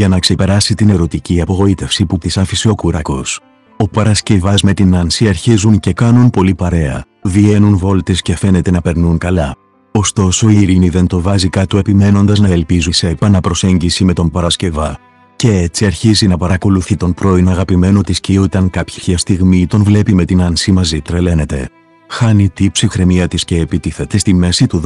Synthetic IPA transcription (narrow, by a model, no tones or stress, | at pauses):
ʝɐnɐkse̞pe̞ɾɐsit̪ine̞ɾo̞t̪iciɐpo̞ɣo̞it̪e̞fsiput̪isɐfiseo̞kuɾɐko̞s | o̞pɐɾɐsce̞vɐzme̞t̪inɐnsiɐɾçizunce̞kɐnunpo̞lipɐɾe̞ɐ̰ | ðie̞nunvo̞lt̪esce̞fe̞ne̞t̪e̞nɐpe̞ɾnuŋkɐlɐ | o̞st̪o̞so̞iɾiniðe̞nt̪o̞vɐzikɐt̪ue̞pime̞no̞nd̪ɐznɐelpizise̞ːpɐnɐpɾo̞se̞ɲɟisime̞t̪o̞npɐɾɐsce̞vɐ | ce̞et͡siɐɾçizinɐpɐɾɐko̞luθit̪o̞npɾo̞inoɐɣɐpime̞no̞t̪isciot̪ɐŋkɐpçi̥çɐst̪iɣmit̪o̞nvle̞pime̞t̪inɐnsimɐzit̪ɾele̞ne̞t̪e̞̰ | xɐnit̪ipsixɾe̞miɐt̪isce̞ːpit̪iθet̪e̞st̪ime̞sit̪u